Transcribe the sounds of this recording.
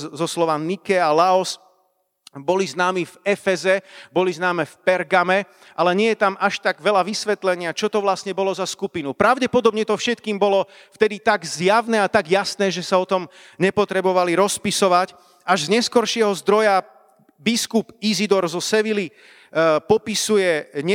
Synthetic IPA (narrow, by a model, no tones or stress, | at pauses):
zɔslɔʋanikɛalaɔs | bɔliznaːmifɛfɛzɛbɔliznaːmɛfpɛɾɡamɛ | ʔalɛɲɪɛjɛt̪amaʃt̪aɡʋɛlaʋisʋɛt̪lɛɲɪat͡ʃɔt̪ɔʋlasɲɛbɔlɔzaskupinupɾaʊɟɛpɔd̪ɔbɲɛt̪ɔfʃɛt̪kiːmbɔlɔ | ft̪ɛd̪it̪aɡzjaʊnɛat̪aɡjasnɛːʒɛsaɔt̪ɔm | ɲɛpɔt̪ɾɛbɔʋaliɾɔspisɔʋac | aʒzɲɛskɔɾʃɪɛɦɔzd̪ɾɔja | biskupizid̪ɔɾzɔsɛʋili | pɔpisujɛɲɛ